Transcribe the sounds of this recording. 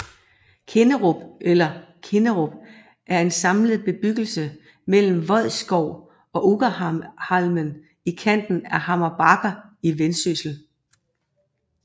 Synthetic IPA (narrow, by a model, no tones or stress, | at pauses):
kʰe̝nəʁɔb̥elɐkʰe̝nəʁɔb̥ | ʔæɐe̝nsɑ̈mləð̞̩ˠb̥e̝b̥yɡ̥l̩sə | mel̰m̩ʋɒ̽ð̰ˠsɡ̥ɒʊ̰ | ɒ̽ʔuɡ̥əhɑlmən | ikʰæn̰d̥n̩æhɑ̈mɐb̥ɑ̈ɡ̥ɐiʋensysl̩